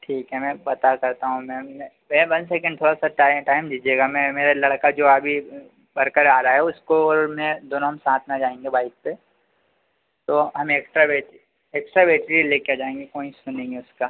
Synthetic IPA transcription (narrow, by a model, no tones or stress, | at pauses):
ʈʰiːkɦɛmɛ̃pɐt̪akɐɾt̪aɦũmɛ̃m | mɛ̃ːʋɐ̃nsɛːkə̃ɳɖ̚t̪ʰoːɽasaʈaːɪʈaːɪmd͡ʒid͡ʒeːɡamɛ̃meːɾalɐɽkad͡ʒoːabʱi | bɐɾkəɾaːɾaaɦɛʊskoɔːɾmɛ̃d̪oːnõɦɐmsãːt̪ʰnad͡ʒaːẽːŋɡebaːɪk̚pe | t̪oːɦɐmeeksʈɾabeʈi | eksʈɾabeːʈɾileːkead͡ʒaːẽːŋɡekoːĩsʊnẽːŋɡeʊskaː